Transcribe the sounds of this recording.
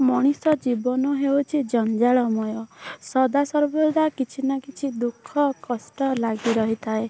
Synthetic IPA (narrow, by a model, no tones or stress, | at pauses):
mɔɽ̃isɔd͡ʒibɔnɔɦeut͡ʃʰid͡ʒɔnd͡ʒaɭɔmɔjɔsɔd̪asɔɾbod̪akit͡ʃʰinakit͡ʃʰid̪ukʰːɔkɔsʈɔlaɡiɾɔɦit̪ʰae